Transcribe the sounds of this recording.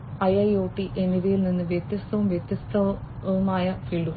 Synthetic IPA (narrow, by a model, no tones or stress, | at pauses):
ɐjɐjoːʈːiʔeniðijilninːɨʋjet̪jɐst̪ɐʋumjet̪jɐst̪ɐʋumaːjɐfiːlɖuɣ